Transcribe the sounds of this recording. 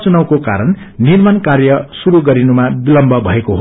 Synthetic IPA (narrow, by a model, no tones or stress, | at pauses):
t͡sunawkoka̰ɾʌn | nirmankarjʌsuɾuɡʌɾinumabilʌmbʱʌbʱʌekoɦo